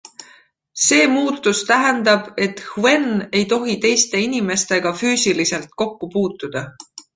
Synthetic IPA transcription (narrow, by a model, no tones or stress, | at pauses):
se̞ːmuːt̪ːˑust̪æɦend̪ɑb̥e̞t̪ˑhue̞ne̞jt̪o̞ɦit̪e̞jst̪e̞inime̞st̪e̞ɡ̥ɑfyːsilise̞lt̪̚ko̞kːupuːt̪ːˑud̪̥ɑ